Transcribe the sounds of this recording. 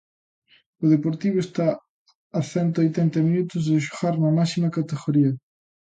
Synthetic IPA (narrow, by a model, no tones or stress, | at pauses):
ʊðepoɾt̪iβʊest̪aː | θɛnt̪ojt̪ɛnt̪ɐminut̪ʊzðɪʃ̬o̥ɣaɾnɐmasimɐkat̪eɣoɾiɐ